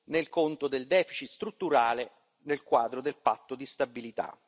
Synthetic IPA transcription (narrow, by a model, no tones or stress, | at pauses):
nelkont̪od̪eld̪ɛːfit͡ʃit̪st̪ɾut̪ːuɾaːle | nelkwaːd̪ɾod̪elpat̪ːod̪ist̪abːilit̪a̰